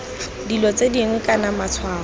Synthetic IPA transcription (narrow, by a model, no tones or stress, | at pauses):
dilɔt͡sediŋwɛkʼanamat͡sʰwaːɔ